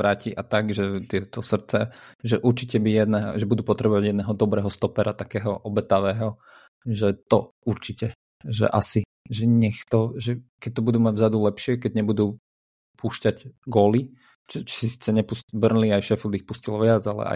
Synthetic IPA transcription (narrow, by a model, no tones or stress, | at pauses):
ɾaːciʔat̪aɡʒɛt̪ɪɛt̪ɔsr̩t̪t͡sɛʒɛʔuɾt͡ʃicɛbijɛd̪nɛɦʒɛbud̪uːpɔt̪ɾɛbɔʋaɟjɛd̪nɛːɦɔd̪ɔbɾɛːɦɔst̪ɔpɛɾat̪akɛːɦɔʔɔbɛt̪aʋɛːɦɔ | ʒɛt̪ɔ̰ | uɾt͡ʃicɛ | ʒɛ̰ʔasi | ʒɛɲɛxt̪ɔʒɛkɛc̚t̪ɔbud̪uːmaɟvzad̪ulɛpʃɪɛkɛɟɲɛbud̪uː | pʰuːʃcaɟɡɔːli | t͡ʃɛt͡ʃi̥ssisi̥t͡sɛɲɛpuscbr̩nliajʃɛfɔd̪ixpuscilɔʋɪad͡zalɛ̰a̰